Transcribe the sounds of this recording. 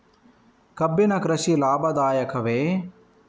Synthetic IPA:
kɐbːinɐkɾɐʃilaːbɐd̪aːjɐkʰɐʋeː

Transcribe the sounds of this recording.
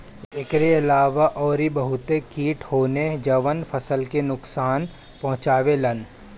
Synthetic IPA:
ɪkɾeɪlaːʋaʔɔːɾibɐɦʊt̪ekiːʈhoːned͡ʒɐʋənpʰɐsəlkenʊksaːn | pɐ̃ɦʊ̃t͡ʃaːʋelɐn

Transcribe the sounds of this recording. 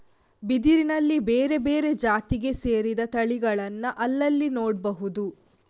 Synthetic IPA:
bid̪iɾinɐlːibeːɾe̞be̞ːɾe̞d͡ʒaːt̪iɡe̞se̞ːɾid̪ɐt̪ɐɭiɡɐɭɐnːɐʔɐlːɐlːinoːɽbɐɦud̪u

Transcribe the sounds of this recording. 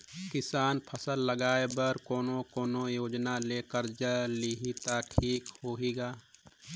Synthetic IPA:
kɪsaːnpʰəsəlːəɡaːebəɾkoːnõkoːnojoːd͡ʒnaleːkəɾd͡ʒəliɦit̪aʈʰiːkhoːɦiɡaː

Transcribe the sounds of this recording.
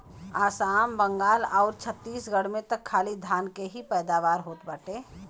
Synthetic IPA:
aːsaːmbə̃ŋɡaːlɔːɾt͡ʃʰət̪ːiːsɡəɽmẽt̪əkʰːaːlid̪ʱaːnkeɦipɛːd̪aːʋaːɾɦoːt̪baːʈeː

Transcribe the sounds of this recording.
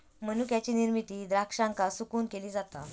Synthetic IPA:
mənukjat͡ɕiːniɾmit̪iːd̪ɾakʂãŋkasukuːnkeliːd͡zat̪a̰

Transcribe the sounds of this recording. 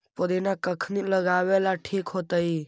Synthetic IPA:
pod̪inakəkʰniːləɡaːʋeːlaʈʰiːkɦot̪əiː

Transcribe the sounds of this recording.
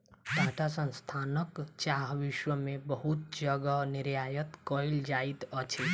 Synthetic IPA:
t̪aʈʰasə̃nst̪ʰanəkt͡ʃaɦʋiʃwəmẽbəɦut̪̚d͡ʒəɡənɪɾjajət̪kəild͡ʒait̪ət͡ʃʰe

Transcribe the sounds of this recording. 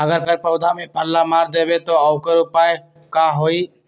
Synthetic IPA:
əɡəɾpəɾpəʊd̪ʱamẽpəlːamaːɾd̪eːbet̪oəʊkəɾʊpae | kaɦoːi

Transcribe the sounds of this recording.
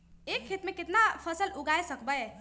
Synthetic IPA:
ekʰːet̪mẽkɪt̪napʰəsəluɡaesəkbəj

